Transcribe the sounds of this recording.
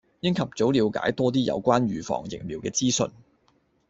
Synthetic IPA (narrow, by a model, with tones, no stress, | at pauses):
jɪ˥ŋkʰɐ˨p̚t͡so˨˥wliː˨˧wka̰ː˨˥jt̪ɔː˥t̪̬iː˥jɐ̰˨˧wkʷaː˥nɥyː˨˧fɔ̰ː˨˩ŋjɪ̰˨˩ŋliː˨wkɛː˧t͡siː˥sɵ̰˧n